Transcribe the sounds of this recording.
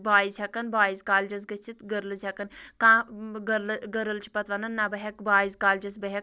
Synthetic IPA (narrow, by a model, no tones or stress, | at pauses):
baːizʲɐkɐnbaːizkaːld͡ʒɐs̬ɡɐt͡sʰit̪ɡəɾlzʲɐkɐnkãːɡɐɾlɡɐɾəlt͡ʃʰi̥pɐt̪ʋɐnɐnːabɐɦʲɐkbaːizkaːld͡ʒɐs̬bɐɦʲek̚